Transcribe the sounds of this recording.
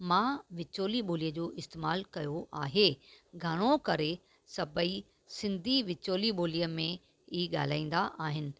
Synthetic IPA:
mãːʋɪt͡ɕoːliɓoːlijəd͡ʑoːʔɪst̪eːmaːlkɐjoʔaːɦeɡʱɐɽ̃õkɐɾe | sɐbʱəi | sɪ̃nd̪ʱiʋɪt͡ɕoːliɓoːlijəmẽ | iːɠa̰ːl̤aːĩːn̆d̪aʔaːɦɪnɪ̆

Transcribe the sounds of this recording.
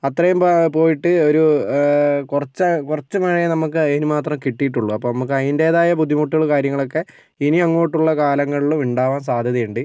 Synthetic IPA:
ɐt̪rɐjumppo̞ːjiʈːɨoɾu | kurɐt͡ɕːɐkurɐt͡ɕːumɐɻjɐnɐmukːɨɐnumaːt̪rɐmkiʈːijiʈːuɭːuɐpːoːnɐmuk̬ːɨɐðinde̞ːðaːjɐbud̪ʱːimuʈːuɣɐɭkaːɾjɐŋːɐɭo̞kːe̞ | iniɐŋːo̞ːjiʈːuɭːɐkaːlɐŋːɐɭiɭumiɳɖaːʋaːns̬aːd̪ʱjɐðɐjeɳɖɨ

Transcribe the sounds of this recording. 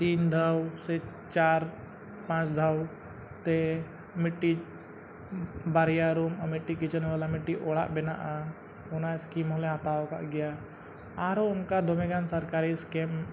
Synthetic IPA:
t̪iːnd̪ʱawsɛ | t͡ʃaːɾ | pãt͡ʃd̪ʱaw | t̪e | mɪʈːi | baɾijaɾumamɪʈːikit͡ʃənʋalamɪʈːiʔoɭa̰ʔbɛna̰ʔa | ʊnaɪskimɔleɦat̪aoka̰ʔɡɛja | aɾoʊnkad̪ʱomeɡansəɾkaɾiskem

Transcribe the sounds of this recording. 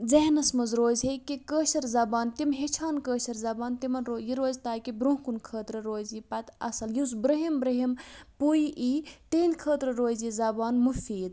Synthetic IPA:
zeɦnɐsmɐzɾoːzɦekikəːʃɐɾzɐbaːnt̪imɦet͡ʃʰaːnkəːʃɐɾzɐbaːnt̪imɐnɾoːjiɾoːzt̪aːkibɾũɦkunkʰəːt̪ɾɐɾoːzipɐt̪ɐ̰sɐljisbɾɐɦimbɾɐɦimpujʔiːʈeːnkʰəːt̪ɾɐɾoːzizɐbaːnmufiːd̪

